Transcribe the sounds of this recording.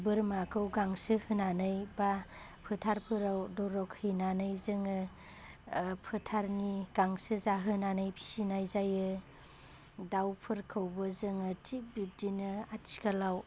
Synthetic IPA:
bɯɾmakʰɯwɡaŋsɯhɯnanɯjba | pʰɯtʰaɾpʰɯɾawdɔɾɔkhɯnanɯjzɯŋɯ | pʰɯtʰaɾniɡ̥aŋsɯzaɦɯnanɯjpʰi̥sinajzajɯ | dawpʰɯɾkʰɯwbɯzɯŋɯtʰik̚bip̚dinɯatʰi̥skʰalaw

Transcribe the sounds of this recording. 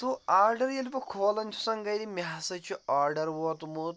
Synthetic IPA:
t̪uaːɾɖɐɾjɐlipɐkʰoːlɐnʲt͡ʃʰu̥sɐŋɡɐjɾimʲaɦsɐt͡ʃʰuaːɾɖɐɾwoːt̪umut̪

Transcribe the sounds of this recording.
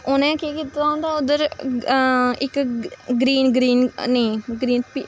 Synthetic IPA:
ʊnẽːkiːkiːt̪aõːnd̪aːʊd̪əɾ | ɪkɡɾiːnɡɾiːnnəĩːɡɾiːnpiː

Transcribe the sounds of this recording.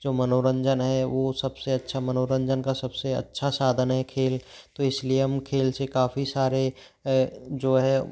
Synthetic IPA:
d͡ʒoːmɐnoːɾə̃ɲd͡ʒənɦɛʋoːsɐbseɐtːʃʰamɐnoːɾə̃ɲd͡ʒənkasɐbseɐ̰tːʃʰasaːd̪ʱənɦɛkʰeːlt̪oɪslieɦɐmkʰeːlsekaːfisaːɾe | d͡ʒoːɦɛ

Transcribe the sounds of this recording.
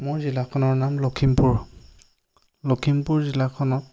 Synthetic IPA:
mʊɹzilakʰɔnɔɹnamlokʰimpuɹ | lokʰimpʊɹzilakʰɔnɔt̚

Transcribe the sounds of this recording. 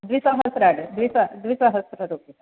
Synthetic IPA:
d̪ʋisaɦəsɾaɽd̪ʋisad̪ʋisaɦəsɾəɾoki

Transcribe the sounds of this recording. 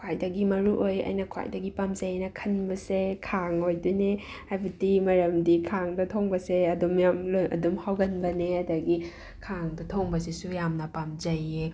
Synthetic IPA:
kʰajdɐɡimɐɾuʔojɐ̰jnɐkʰwa̰jdɐɡipamzɐjnɐkʰɐnbɐsekʰaŋojdene | hajbɐtimɐɾɐmdikʰaŋdɐtʰoŋbɐseɐdumjamlojɐ̰dumhawɡɐnbɐneɐdɐɡi | kʰaŋdɐtʰoŋbɐsisujamnɐpamzɐje

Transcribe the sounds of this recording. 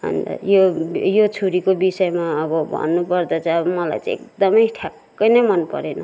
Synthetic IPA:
ɦʌ̰nt̪ʌ̰jojot͡sʰuɾikobisʌemaʌbʌbʱʌ̰nːupʌrd̪ʌt͡sʌʌbʌmʌla̰jt͡sãḛk̚d̪ʌmʌjʈʰjakːʌjnʌjmʌnpʌɾenʌ

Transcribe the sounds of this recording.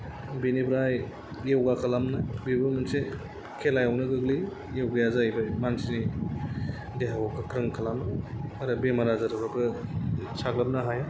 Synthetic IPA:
binibɾaj | jewɡakʰalamnɐbibɯmɯnse | kʰelajawnɯɡɯɡli | jewɡajazajbajmansini | deɦawakʰɯkʰɾɯŋkʰɐlamnɐɐɾɐbemaɾazaɾʰabakɯ | saɡlap̚naɦaja

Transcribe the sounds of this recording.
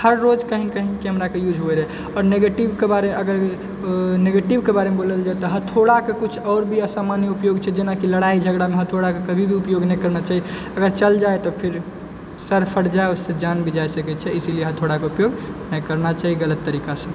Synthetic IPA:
həɾːod͡ʒkəɦĩnkəɦĩnkiɦəmɾakejud͡ʒʱboeɾɛ | ɔːɾneɡeʈibkebaɾeeəɡəɾ | neɡeʈibkebaɾemeboləld͡ʒaet̪ɔɦət̪ʰoɽakekut͡ʃʰɔːɾbʱiəsamaniupjoɡt͡ʃʰɛd͡ʒenakiləɽaid͡ʒʱəɡɽameɦət̪ʰoɽakekəbʱibʱiupjoɡnɛkəɾnat͡ʃaɦi | əɡəɾt͡ʃəld͡ʒaet̪ɔpʰiɾ | səɾpʰəɽd͡ʒaeosːed͡ʒanbʱid͡ʒaesəkɛt̪t͡ʃʰɛisilijeɦət̪ʰoɽakeupjoɡnəkəɾnat͡ʃaɦiɡələt̪ːəɾikasə̃

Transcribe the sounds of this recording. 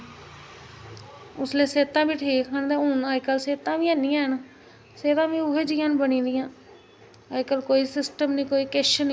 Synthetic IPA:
ʊsleːseːt̪ãːbiːʈʰiːkkənd̪ẽːʊnaːikəlseːt̪ãːʋiːɛːniːãːɦn | seːt̪ãːbiːʊɦeːd͡ʒiːãːnbənĩːd̪ɪjãː | əkəlkoːiːsɪsʈəmnĩːkoːiːkeʃən

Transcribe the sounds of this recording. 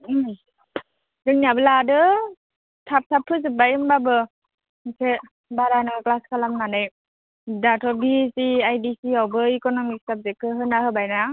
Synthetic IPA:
dɯŋniabɯladɯ | tʰap̚sʰapʰːɯzɯbajɯmbabɯ | ŋsʰe | baɾanɯŋɯklaskʰalamnanɯj | datʰɔbisiajdisiawbɯikɔnɔmik̚sab̚zekʰːɯɦɯnahɯbajna

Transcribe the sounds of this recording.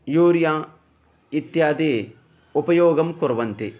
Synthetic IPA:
juːɾjãː | it̪jaːd̪eː | ʊpɐjoːɡɐmkʊɾʋɐnt̪i

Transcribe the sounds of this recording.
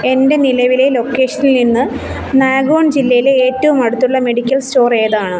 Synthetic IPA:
e̞nde̞nilɐʋile̞lo̞kːe̞ːʂɐnilninːɨ | naːɡo̞ːɳd͡ʑilːɐjile̞eːtːɐʋumɐɽut̪ːuɭːɐme̞ɽikʲːɐlsto̞ːreːðaːɳɨ

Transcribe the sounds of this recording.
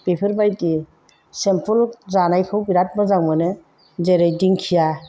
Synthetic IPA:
pepʰɯɾbajti | sempʰulzanajkʰɯwbiɾat̚mazaŋmanɯ | zeɾɯjdiŋkʰija

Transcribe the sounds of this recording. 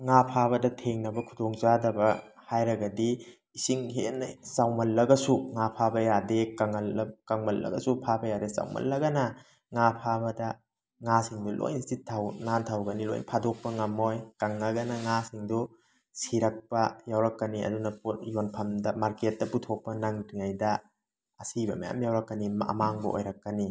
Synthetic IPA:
ŋapʰabɐdɐtʰeŋnɐbɐkʰudoŋzadɐbɐ | hajɾɐɡɐdi | isiŋɦenɐsawmɐlːɐɡɐsuŋapʰabɐjadekɐŋɐlkɐŋmɐlːɐ̰ɡɐ̰supʰabɐjadesa̰wmɐ̰lːɐɡɐnɐ | ŋapʰabɐdɐ | ŋasiŋdulʔo̰jnsitʰawnantʰawɡɐnilo̰jnpʰadok̚pɐŋɐmojkaŋːɐɡɐnɐŋasiŋdu | siɾɐk̚pɐjawɾɐkːɐniɐ̰dunɐpʰutjonpʰɐmdɐmaɾket̚dɐputʰok̚pɐnaŋdiŋajdɐ | ɐsibɐma̰ja̰mjawɾɐkːɐnimɐ̰maŋbɐ̰ʔo̰jɾɐkːɐni

